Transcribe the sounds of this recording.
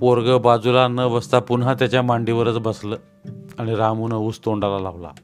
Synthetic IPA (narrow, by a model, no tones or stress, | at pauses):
oɾɡəbad͡zulanəbəst̪apunɦat̪jat͡ɕjamaɳɖiʋəɾət͡sbəslə | aɽ̃iɾamunəuːst̪oɳɖalalaʋla̰